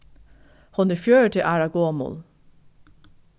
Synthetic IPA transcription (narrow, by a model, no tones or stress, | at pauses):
hʊnəfjøːəʈʰɪʔæːɹɑɡoːmʊ̰l